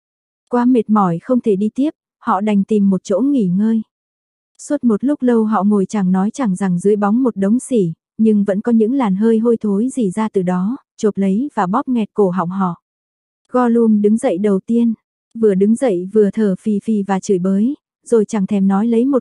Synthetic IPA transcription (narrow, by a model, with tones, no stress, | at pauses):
kwaː˧me˨˩t̚mɔ˧˩jxə˧wŋ͡mt̪ʰe˧˩ɗi˧t̪i˦˥əp̚ | hɔ̰˧˨ɗa˨˩jŋ̟t̪i˨˩mːo˨˩t̚t͡ɕo̰˧˥ŋi˧˩ŋəː˧j | swə˦˥t̚mo˨˩t̚lʊ˦˥k͡p̚lə˧wɦɔ̰˧˨ŋo˨˩jt͡ɕa˧˩ŋnɔ˨˦jt͡ɕa˧˩ŋza˨˩ŋzɨ˨˦əjɓa˨˦wŋ͡mmo˨˩t̚ɗə˨˦wŋ͡msi˧˩ | ɲɨ˧ŋvə̰˧˥nkɔ˨˦ɲɨ̰˧˥ŋlaː˨˩nɦəː˧jɦo˧jt̪ʰo˨˦jzi˧˩zaː˧t̪ɨ˨˩ɗɔ˨˦ | t͡ɕo˨˩p̚lə˨˦jvaː˨˩ɓɔ˦˥p̚ŋɛ˨˩t̚ko˧˩ɦa̰˧˨wŋ͡mɦɔ̰˧˨ʔ | ɣɔ˧lu˧ənɗɨ˨˦ŋzə̰˧˨jɗə˨˩wt̪i˧ən | vɨ˨˩əɗɨ˨˦ŋzə̰˧˨jvɨ˨˩ət̪ʰəː˨˩fi˨˩fi˨˩vaː˨˩t͡ɕɨ˧˩jɓəː˨˦j | zo˨˩jt͡ɕa˧˩ŋt̪ʰɛ˧˩mnɔ˨˦jlə˨˦jmo˨˩t̚